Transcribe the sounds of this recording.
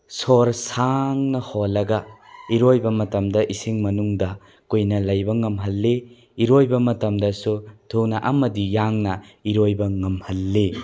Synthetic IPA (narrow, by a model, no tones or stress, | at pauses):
soɾsaŋnɐholːɐɡɐ | iɾojbɐmɐtɐmdɐʔisiŋmɐnuŋdɐ | kujnɐlɐjbɐŋɐmɦɐlːe | iɾojbɐmɐtɐmdɐsutʰunaʔɐmɐdijaŋnɐiɾojbɐŋɐmhɐlːe